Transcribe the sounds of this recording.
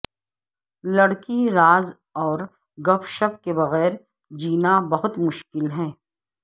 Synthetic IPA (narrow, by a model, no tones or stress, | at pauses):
lɐɽkiɾaːz | ɔːɾ | ɡɐpʰʃəkːebɐɣɛːɾ | d͡ʒiːnabɐɦʊt̪mʊʃkɪlɦɛ̃ː